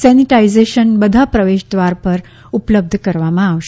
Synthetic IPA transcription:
sɛniʈaizeɕənbəd̪ʱapɾəʋeʃd̪ʋaɾpəɾ | upləb̚d̪ʱəkəɾʋamãːʋʃ

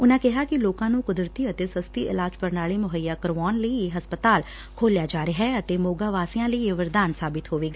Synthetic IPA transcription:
ʊnãːkɪɦaːkɪloːkãːnũːkʊd̪ɾət̪iːət̪eːsəst̪iːʔɪ̰laːd͡ʒpəɾnaːɭiːmʊɦəjːaːkəɾʋɔːnləiɦəspət̪aːl | kʰoːljaːd͡ʒaːɾeɦɛːət̪eːmoːɡaːʋaːsijãːləieʋəɾd̪aːnsaːbɪt̪ɦoːʋeːɡaː

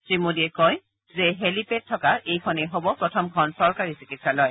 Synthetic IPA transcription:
sɹimodiɛkɔj | zeɦelipet̚tʰːɔkaʔejkʰɔnejɦobɔpɹɔtʰɔmkʰɔnsɔɹkaɹisikitsalɔj

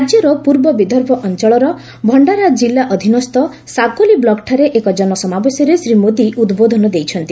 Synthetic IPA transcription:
ɾad͡ʒjɔɾɔpuɾbɔbid̪ʱɔɾbʱɔʔɔnt͡ʃɔɭɔɾɔ | bʱɔɳɖaɾad͡ʒilːaʔɔd̪ʱinɔst̪ɔ | sakoliblɔkʈʰaɾeʔekɔd͡ʒɔnɔsɔmabesjɔɾesɾimod̪iʔud̪bod̪ʱɔnɔd̪ejt͡ʃʰɔnt̪i

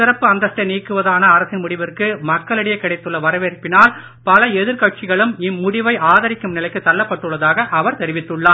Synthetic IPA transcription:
sɪɾɐpːɯɐnd̪ɐʂʈːɐniːkːɯʋɐðaːnɐːɾɐsɪnmʊɽɪʋɪrkɯmɐkːɐɭɪɽɐjɐɪkːɪɽɐɪt̪ːɯɭːɐʋɐɾɐʋeɾpːɪnaːl | pɐlɐɛðɪɾkɐʈ̚t͡ʃɪɣɐɭɯmɪmːʊɽɪʋɐɪʔaːðɐɾɪkːɯmnɪlɐɪkːɯt̪ːɐlːɐpːɐʈːɯɭːɐðaːɣɐʔɐʋɐɾt̪ɛɾɪʋɪt̪ːɯɭːaː

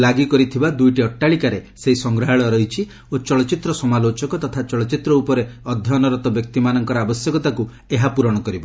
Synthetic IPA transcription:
laɡikɔɾit̪ʰibad̪ujʈiɔʈːaɭikaɾeseɦisɔŋɡɾaɦaɭɔɾɔɦit͡ʃʰi | ot͡ʃɔɭɔt͡ʃit̪ɾɔsɔmalot͡ʃɔkɔt̪ɔt̪ʰat͡ʃɔɭɔt͡ʃit̪ɾɔupɔɾeɔd̪ʱjɔnɔɾɔt̪ɔbjɔk̚t̪imanɔŋkɔɾɔabɔsjɔkɔt̪aku | eɦapuɾɔɽ̃ɔkɔɾibɔ

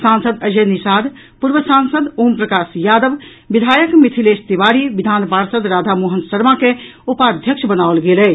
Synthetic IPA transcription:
sãːnsəd̪əd͡ʒənisaːd̪ | puɾʋəsãːnsəd̪oːmpɾəkaːsjaːd̪əʋ | ʋid̪ʱaːjəkmit̪ʰileːst̪iʋaːɾiʋid̪ʱaːnbaːɾsəd̪ɾaːd̪ʱamoɦənsəɾmãkeupaːd̪ʱjəkʃəbənaːʋlɡeːlɛː

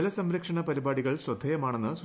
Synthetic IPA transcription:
lɐsɐmɾɐkʂɐɳɐpɐɾibaːɽiɣɐɭsrɐd̪ʱːɐjɐmaːɳenːɨs

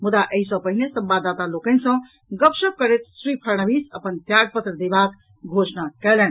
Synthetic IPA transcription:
mud̪aʔəɦisə̃pəɦinesə̃mbad̪ːat̪alokənsə̃ | ɡəpsəb̚kəɾet̪sɾipʰəɾñəbisəpənt̪jaɡ̚pət̪ɾəd̪ebak | ɡʱosnakɛlɛn

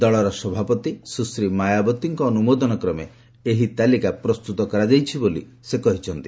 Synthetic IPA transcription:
d̪ɔɭɔɾɔsɔbʱapɔt̪isusɾimajabɔt̪ːiŋkɔːnumod̪ɔnɔkɾɔme | eɦit̪alikapɾɔst̪ut̪ɔkɔɾad͡ʒajt͡ʃʰibolḭ | sekɔɦit͡ʃʰɔnt̪i

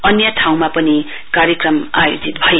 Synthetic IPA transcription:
ʌnjʌʈʰaw̃mapʌni | kaɾjʌkrʌma̰jo̰d͡zit̪bʱʌje

